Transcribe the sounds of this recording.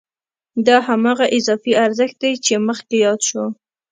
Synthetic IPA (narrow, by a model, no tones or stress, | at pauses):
d̪ɑhamɑɣaʔɪzɑfiaɾzəxt̪̚d̪ajt͡ʃeməxkejɑd̪ʃo